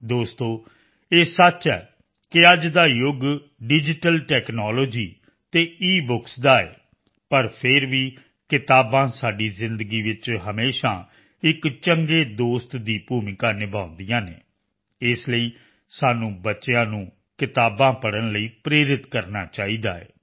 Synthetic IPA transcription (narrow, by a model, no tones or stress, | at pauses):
d̪oːst̪õː | eːsət͡ʃɛː | kɪəd͡ʒd̪aːjʊɡ | ɖɪd͡ʒɪʈəlʈɛːknaːloːd͡ʒiː | t̪eːiːbʊksd̪aːḛː | pəɾpʰɪɾʋiː | kɪt̪aːbãːsaːɖiːzɪ̃nd̪əɡiːʋɪt͡ʃɦəmeːʃãː | ɪkt͡ʃəŋɡeːd̪oːst̪d̪iːpuːmɪkãːnɪbãːʊ̃nd̪ijãːnḛː | ɪsləiː | saːnũːbətːʃeãːnũː | kɪt̪aːbãːpəɽənləiːpɾeːɾɪt̪kəɾnaːt͡ʃaːiːd̪aːɛḛː